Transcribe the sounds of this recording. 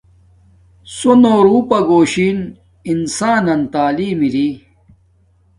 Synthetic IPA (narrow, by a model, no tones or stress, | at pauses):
sonoːɾuːpɐɡoːɕiːn | insaːnɐnt̪aːliːmiɾi